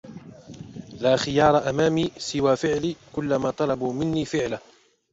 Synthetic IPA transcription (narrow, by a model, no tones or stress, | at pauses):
laːxɪjɑːɾˤɑʔamaːmiːsɪwaːfɪʕliːkʊlːamaːt̪ˤɑlɑbuːmɪnːiːfɪʕla